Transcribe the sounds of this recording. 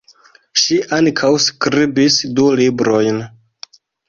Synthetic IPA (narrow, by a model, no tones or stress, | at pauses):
ʃiʔaŋkʰawskɾibisdulibɾo̞jn